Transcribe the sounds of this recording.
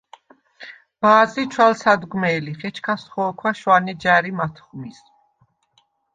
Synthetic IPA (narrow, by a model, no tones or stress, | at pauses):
b̥aːzit͡ʃʰwalsad̪ɡmɛːliχɛt͡ʃʰkʰasχɔːkʰwaʃwanɛd͡ʒaɾimat̪ʰχmis